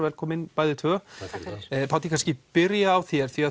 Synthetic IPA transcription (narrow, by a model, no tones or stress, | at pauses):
vɛlkʰɔːmɪnpaːjðɪt̪ʰœː | pʰawt̪ikʰanscɪpɪɾjaːwθjɛɾ̥θvia